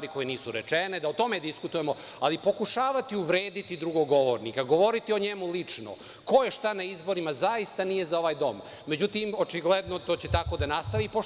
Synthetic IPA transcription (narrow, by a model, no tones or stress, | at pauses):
aɾiko̞jeniːsuɾet͡ʂened̪aot̪o̞med̪iskut̪ujemo̞ | alipo̞kuʃaːʋat̪iuʋɾe̞ːd̪it̪id̪ɾuɡoɡo̞ʋoɾnikaɡo̞ʋo̞ɾit̪io̞ɲemulit͡ʂno̰ | kojeʃt̪anaizbo̞ɾimazaist̪anije̞zao̞ʋaːjd̪o̞̰mː | e̞d͡ʑut̪imo̞t͡ʃiɡled̪not̪o̞ːt͡ɕet̪ako̞d̪anast̪aʋipo